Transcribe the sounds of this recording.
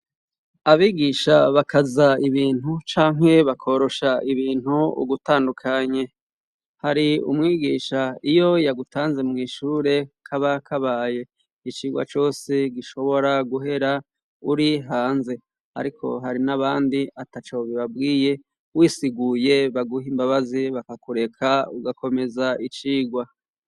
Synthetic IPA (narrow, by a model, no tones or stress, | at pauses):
aβiɡiːʃaβakʰazaiβiːn̥hut͡ʃaːŋ̥e̞βakʰo̞ɾo̞ʃaiβiːn̥huṵɡutaːndukʰaɲe̞ | haɾiṵmŋiːɡiːʃaijo̞jaɡutʰaːnze̞mŋiːʃuːɾe̞kʰaβakʰaβaːje̞ | it͡ʃiːɡwa̰t͡ʃo̞ːseɡiʃo̞βo̞ɾaɡuɦe̞ɾa | uɾiɦaːnze̞ | a̰ɾikʰo̞̰ɦaɾinaβaːndiatat͡ʃoβiβabɡiːje̞ | wiːsiɡuje̞βaɡuɦimbaβaziβakakuɾe̞kʰauɡako̞me̞zait͡ʃiːɡwa